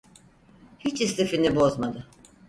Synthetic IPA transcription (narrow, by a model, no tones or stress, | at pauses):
hit͡ʃist̪efinibo̞zmad̪ɯ